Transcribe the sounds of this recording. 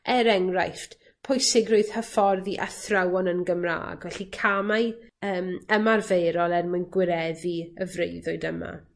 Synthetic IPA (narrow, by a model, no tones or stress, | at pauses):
ɛɾɛŋrajft | pʰʊjsɪɡrʊɨð̥həfɔrðiʔa̰θrawɔnənɡəmra̰ːɡvɛɬikʰamajəːməmarvejɾɔlˠɛrmanɡwɪɾɛðiəvreɨðɔɨdəma̰